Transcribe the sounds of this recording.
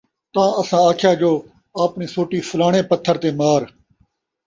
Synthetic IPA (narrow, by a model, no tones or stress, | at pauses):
t̪ãːəsãːaːkʰɪjaːd͡ʒoː | aːpniːsoːʈiːfʊlaːɳ̃ẽːpət̪ʰːəɾt̪eːmaːɾ